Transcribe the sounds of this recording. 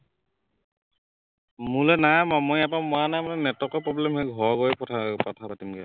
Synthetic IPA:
mulɛnajmamojap̬namɔ̃anajmanɛnɛtɔkɔpɹɔblɛmɦɔjɡʱɔɹɡɔjpɔtʰapɔtʰapatimɡɛ

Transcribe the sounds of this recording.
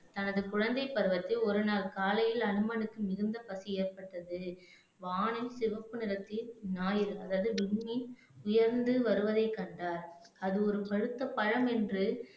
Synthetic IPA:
t̪ɐnɐðɯkʊɻɐnd̪ɐɪpːɐɾɯʋɐt̪ːɪɔɾɯnaːlkaːlɐjɪlɐnɯmaːnɯkːɯmɪɣɯnd̪ɐpɐsieːɾpɐʈːɐðɯ | ʋaːɳɪnsɪʋɐpːɯnɪɾɐt̪ːɪlnaːjɪɾɯɐðaːðɯʋɪɳmi | ʊjɐɾnd̪ɯʋɐɾɯʋɐðɐɪkːɐɳɖaːɾ | ɐðɯɔɾɯpɐɻɯt̪ːɐpɐɻɐmɛndrɯ

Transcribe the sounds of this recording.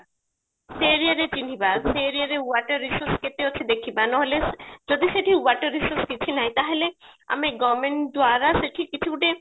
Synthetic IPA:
seɾiaɾet͡ʃin̤ʱibaseɾiaɾeuaʈɔɾːisɔɾsket̪eɦot͡ʃʰid̪ekʰibanɔɦoled͡ʒod̪iseʈʰiubaʈɔɾisɔɾskit͡ʃʰinaj̃t̪aɦelea̰meɡɔmeɳʈd̪waɾaseʈʰikit͡ʃʰikuʈe

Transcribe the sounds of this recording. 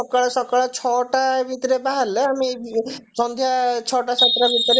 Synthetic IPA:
ɔkɭasɔkɭat͡ɕʰɔʈaʋʱit̪ɾebaɦalɛamisɔ̃nd̪ʱjat͡ɕʰɔʈasat̪ɾabʱit̪ɾe

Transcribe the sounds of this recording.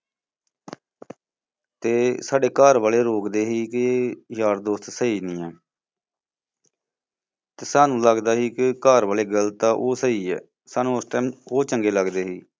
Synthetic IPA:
t̪eːsaːɖeːkaːɾʋaːleːɾoːkd̪eːɦiːkɪjaːɾd̪oːst̪səiːnĩːɛː | t̪eːsaːnũːləɡd̪aːɦiːkɪkaːɾʋaːleːɡəlt̪aːʔoːsəiːɛ̰ː | saːnũːʊsʈɛːmoːt͡ʃəŋɡeːləɡd̪eːɦiː

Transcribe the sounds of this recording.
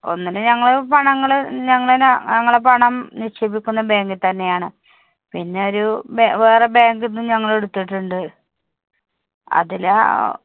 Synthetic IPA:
o̰nːinɨɲɐŋːɐɭpɐɳɐŋːɐɭɲɐŋːɐɭenɐɲɐŋːɐɭep̬ɐɳɐmnikʂebikʲːunːɐbe̞ːŋɡɨt̪ɐnːe̞jaːɳɨ | pinːe̞o̞ɾubeʋe̞ːrebeːŋɡinːumɲɐŋːɐɭe̞ɽut̪ːiʈːuɳɖɨ | ɐ̰ðilɐ̰

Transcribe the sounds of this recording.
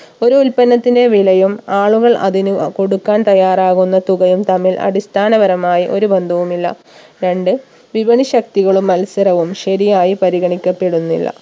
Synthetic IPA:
o̞ɾuːlpɐnːɐt̪ːinde̞ʋilɐjumaːɭuɣɐɭʔɐ̰ðinɨko̞ɽukːaːnt̪ɐjaːraːɣunːɐt̪uɣɐjumt̪ɐmːilʔɐ̰ɽist̪ʰaːnɐʋɐɾɐmaːjiʔo̞̰ɾubɐnd̪ʱɐʋumilːɐ̰ | ɾeɳɖɨ | ʋibɐɳiɕɐk̚t̪iɣɐɭumːɐlsɐɾɐʋumɕɐɾijaːjipɐɾiɣɐɳikʲːɐpːe̞ɽunːḭlːɐ̰

